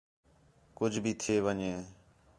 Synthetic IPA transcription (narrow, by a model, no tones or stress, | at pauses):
kʊd͡ʒʱbʱiːt̪ʰeːʋəɲeː